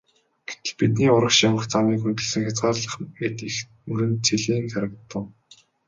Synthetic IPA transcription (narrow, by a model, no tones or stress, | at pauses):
ɡ̥e̥t̪ɘ̆ɮpit̪niːʊɾə̆kʃamə̆χt͡sʰamiːkxɵnt̪ɵ̆ɮsɘ̆ŋxʲat͡sɢaːrɮə̆χet̪ix | mɵɾɘ̆nt͡sʰiɮiːŋxaɾə̆k̚t̪ːə̆w